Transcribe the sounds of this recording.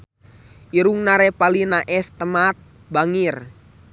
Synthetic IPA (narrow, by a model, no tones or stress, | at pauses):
ʔiɾuŋnaɾɛpalinaʔɛst̪əmat̪̚ | baŋir